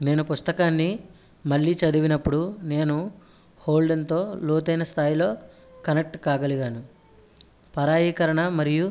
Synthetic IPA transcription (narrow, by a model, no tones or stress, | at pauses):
ne̞ːnupust̪ɐkaːnːi | mɐɭːiːt͡ʃɐd̪uʋinɐpːuɽune̞ːnu | hoːlɖɐnt̪o̞ːloːt̪ɐjnɐst̪ʰaːjilo̞ː | kɐnek̚ʈkaːɡɐliɡaːnu | pɐɾaːjiːkɐɾɐɳɐmɐɾiju